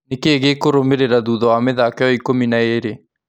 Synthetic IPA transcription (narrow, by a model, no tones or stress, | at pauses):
nekeːɣekoɾomeɾeɾaðuðɔwameðakɛjɔikominaeɾe